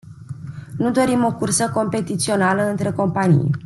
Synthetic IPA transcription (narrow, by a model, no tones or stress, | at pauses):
nud̪o̞ɾimo̞kursəko̞mpe̞t̪it̪sio̞naləɨnt̪ɾe̞ko̞mpanḭj